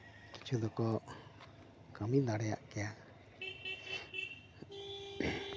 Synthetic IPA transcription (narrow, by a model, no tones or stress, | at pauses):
ki̥t͡ʃʰud̪ɔkɔ | kamid̪aɽɛja̰ʔkɛja